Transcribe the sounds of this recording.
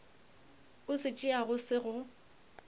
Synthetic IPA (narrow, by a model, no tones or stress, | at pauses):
ʊsɪt͡ʃʼɪaɣʊsɪɣʊ